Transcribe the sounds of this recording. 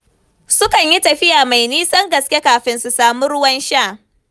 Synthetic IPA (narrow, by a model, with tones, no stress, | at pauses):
sʊ˦kɐ˨ɲji˦tɐ˨ɸɪ˦jaː˨ma˨jniː˦sɐ˦ŋɡɐ˨skʲe˦kaː˨ɸɪ˦nsu˨saː˨mʊ˦ɾʊ˦wɐ˦nʃa˦˨